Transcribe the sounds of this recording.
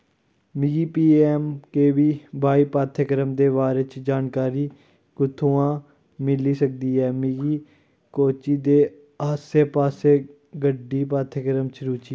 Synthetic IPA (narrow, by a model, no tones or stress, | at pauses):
mɪɡiːpiːɛːmkeːʋiːbʱaːiːpaːt̪ʰəkəɾəmd̪eːʋaːɾeːt͡ʃd͡ʒaːnkaːɾiː | kʊt̪ʰːuːãː | mɪliːsək̚d̪iːɛːmɪɡiː | koːt͡ʃiːd̪eː | aːseːpaːseː | ɡəɖːiːp̬aːt̪ʰəkəɾəmt͡ʃʰəɾuːt͡ʃiː